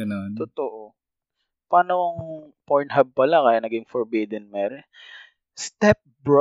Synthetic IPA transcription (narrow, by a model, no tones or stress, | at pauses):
ɐnont̪ot̪oʔo | paːnoɐŋpoɹnɦɐb̚pɐlakajanɐɡɪŋfoɹbiːd̪ɛnmɛːɾɛ | st̪ɛp̚bɹ